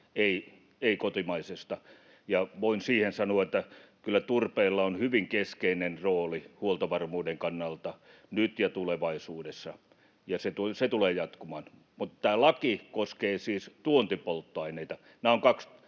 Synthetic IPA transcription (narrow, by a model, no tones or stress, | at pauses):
ei | eikot̪imɑisest̪ɑ | jɑʋoinsiːhensɑnuɑet̪ːækylːˑæt̪urpeːlːɑonhyʋiŋkeskeinenroːlihuolt̪ɑʋɑrmuːdeŋkɑnːɑlt̪ɑ | nyt̪jɑt̪uleʋɑisuːdesːɑ | jɑset̪uset̪uleːjɑt̪kumɑːn | mut̪t̪æːlɑkikoskeːsiːst̪uont̪ipolt̪ːoɑineit̪ɑ | næːoŋkɑks